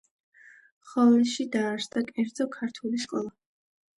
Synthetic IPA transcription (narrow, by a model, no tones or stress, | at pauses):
χɔlɛʃid̪aːɾsd̪akʼɛɾd̪zɔkʰaɾt̪ʰuliskʼɔlˠa